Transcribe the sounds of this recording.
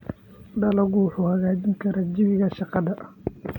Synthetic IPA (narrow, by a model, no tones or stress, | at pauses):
ɖɐlɐɣʊwħuːhɐɣaːt͡ʃɪŋkʰɐɾɐd͡ʒɪβɪɣɐʃɑqɑðɐʔ